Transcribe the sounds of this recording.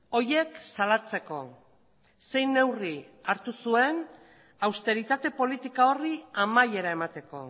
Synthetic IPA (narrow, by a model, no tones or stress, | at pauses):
o̞je̞ksalat͡se̞ko̞ | se̞jnːe̞wri | aɾt̪usue̞n | awst̪e̞ɾit̪at̪e̞po̞lit̪ikao̞riamaje̞ɾae̞mat̪e̞ko̞̰